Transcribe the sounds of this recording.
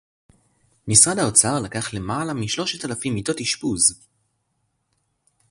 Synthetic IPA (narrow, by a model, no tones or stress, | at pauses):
misʁadaot͡saʁlakaχle̞malamiʃlo̞ʃetalafimito̞tiʃpuz